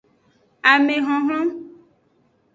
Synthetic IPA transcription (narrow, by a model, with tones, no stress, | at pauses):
a˨mẽ˨ɦɔ̃˨ɦl̃ɔ̃˦